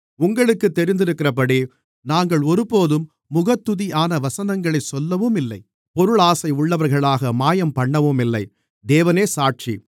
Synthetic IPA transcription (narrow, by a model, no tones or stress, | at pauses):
ʊŋɡɐɭɯkːɯt̪ːɛɾɪnd̪ɪɾɯkːɪrɐp̬ːɐɽi | naːŋɡɐɭɔɾɯpoːðɯmː | ʊɣɐt̪ːɯðiaːnɐʋɐsɐnɐŋɡɐɭɐɪsɔlːɐʋɯmɪlːɐɪ | pɔɾɯɭaːsɐɪʊɭːɐʋɐɾɣɐɭaːɣɐmaːjɐmpɐɳːɐʋomɪlːɐɪ | d̪eːʋɐneːsaːʈ̚t͡ʃḭ